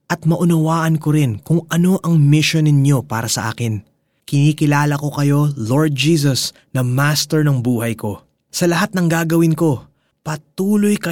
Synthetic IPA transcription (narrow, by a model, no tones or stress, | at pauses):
ʔɐt̪̚mɐʔʊnɐwaːʔɐnkoɾɪnkʊŋʔɐno̞ʔɐŋmɪʃonɪnɲo̞paːɾɐsɐʔa̰ːkɪn | kɪniːkɪlaːlɐko̞kɐjo̞lo̞ɹd̪̚d͡ʒiːs̬ɐs | nɐmast̪ɛɹnɐŋbuːɦɐjko̞ | sɐlɐɦat̪̚nɐŋɡaːɡɐwɪnko̞ | pɐt̪uːlo̞jkɐ